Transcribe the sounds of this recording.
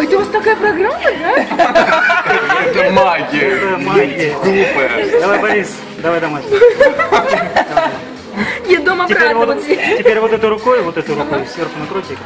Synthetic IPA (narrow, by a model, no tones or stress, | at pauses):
ɛt̪ɨvast̪ɐkajəpɾɐɡɾamːəd̪a | ɛt̪maɡʲɪɛt̪əmaɡʲɪɡipd̪ɐvajbɐɾʲis | d̪ɐvajd̪ɐmaɡʲ | d̪ɐ | jʲed̪omɐtʲɪpeɾvot̪tʲɪtʲɪpʲeɾʲvot̪ɛt̪ʊɾʊkojʊvot̪ɛt̪ʊɾʊkojʊsʲerxʊnɐkɾotʲɪk